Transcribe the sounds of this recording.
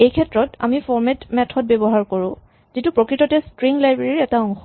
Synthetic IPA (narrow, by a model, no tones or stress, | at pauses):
ejkʰɛtɹɔta̰mifɔɹmɛtmɛtʰɔt̚bɛbɔɦaɹkoɹʊ̃ | z̥itupɹɔkɹitɔtɛstɹiŋlajbɹeɹiɛtaɔŋxɔ